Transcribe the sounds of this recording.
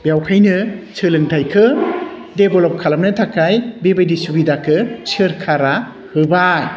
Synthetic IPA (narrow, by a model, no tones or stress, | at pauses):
bjawkʰajnɯt͡ʃʰɯlɯŋtʰajkʰɯdebɔlɔp̚kʰalam̚nɯtʰakajbebajdisubidakʰɯsɯɾkʰaɾa | hɯba